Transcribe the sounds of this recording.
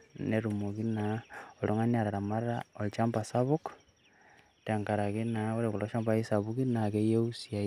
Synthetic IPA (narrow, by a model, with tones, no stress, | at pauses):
neɾumo˨ɣi˦naolo˦ŋa˦nia˨ɾa˨ɾa˨ma˦ɾao˨lt͡ʃa˦mpa˨saβuk | te˨ŋka˨ɾa˨ɣi˦nao˦ɾeku˨lo˦ʃa˦mba˦i˦sa˨βukinake˦je˦usia˨